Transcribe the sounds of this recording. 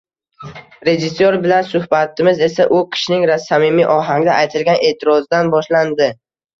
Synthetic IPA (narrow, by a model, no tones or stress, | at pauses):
ɾe̞d͡ʒɪsːoɾbɪlansʊhbat̪ʰɪmɪze̞saʔʊqʰɪ̥ʃnɪŋɾasamɪmiʔɒɦaŋd̪aajt̪ʰɪlɡʲane̞t̪ʰɪɾɒzɪd̪anbɒʃland̪ɪ